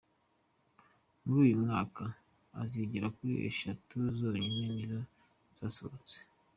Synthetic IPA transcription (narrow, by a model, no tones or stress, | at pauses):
muɾuːjumŋaːka | a̰ziɟiɾakuiḛʃatuzoːɲinenizo | z̥aso̰t͡se̥